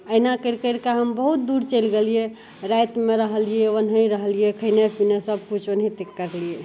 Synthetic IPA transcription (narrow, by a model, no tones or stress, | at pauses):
əinakəɾkəɾkaɦəmbəɦut̪̚d̪uɾt͡ʃəɪlɡelije | ɾajt̪meɾəɦəlijeʋənɦəiɾəɦəlijekʰəinepʰinesəb̚kut͡ʃʰənɦit̪ekːəɾlie